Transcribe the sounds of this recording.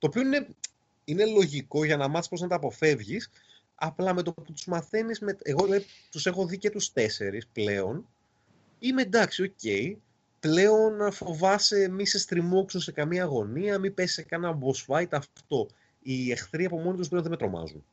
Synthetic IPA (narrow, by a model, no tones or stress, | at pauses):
t̪oːpio̞ine̞ | ine̞lo̞ʝiko̞ʝɐnɐmɐθispɾo̞znɐt̪ɐpo̞fe̞vʝis | ɐplɐme̞t̪o̞put̪uzmɐθe̞nizmet̪eɣolɐi | t̪use̞xo̞ðice̞t̪ust̪e̞se̞ɾisple̞o̞n | imed̪ɐksio̞ce̞i | ple̞o̞nfo̞vɐse̞mise̞st̪ɾimoksose̞kɐmiɐːɣo̞niɐmipesi̥sekɐnɐbosfɐjt̪ɐft̪o̞ | ie̞xθɾiɐpo̞mo̞nit̪usplenðemet̪ɾo̞mɐ̰zṵn